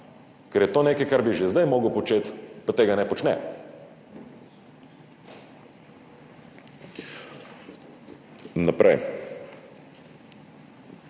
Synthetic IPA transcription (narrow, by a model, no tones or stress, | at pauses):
kɐɾɛt̪ɔnɛkəkaɾbiʒɛzd̪ajmɔɡəpot͡ʃɛt̪pɐt̪ɛɡanɛpot͡ʃnɛ̰ | nɐpɾa̰j